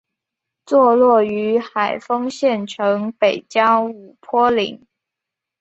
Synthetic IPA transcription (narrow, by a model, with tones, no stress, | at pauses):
t͡swɔ˥˧lwɔ˥˩y˧˥xa˨˩ɪfɤ˥ŋɕjɛ˥˩nʈ͡ʂʰɤ˧˥ŋpe˨˩ɪt͡ɕjɑ˥ʊu˨˩pʰwɔ˥li˧˥˦ŋ